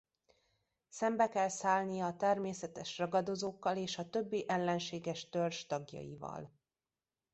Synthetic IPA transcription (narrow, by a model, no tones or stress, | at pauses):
sɛmbɛkɛlsaːlnijɒːt̪ɛrmeːsɛt̪ɛʃrɒɡɒd̪o̞zoːkːɒleːʃɒt̪ø̞bːiʔɛlːɛnʃeːɡɛʃt̪ørʒt̪ɒɡjɒ̰jḭvɒ̰l